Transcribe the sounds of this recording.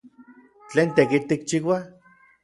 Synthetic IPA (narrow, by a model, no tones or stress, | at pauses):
t͡ɬeːnt̪ekit̪ik̚t͡ʃiwa